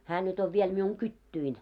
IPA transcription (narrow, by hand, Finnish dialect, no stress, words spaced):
hæː nyt oʋ ʋiel miuŋ kytːyin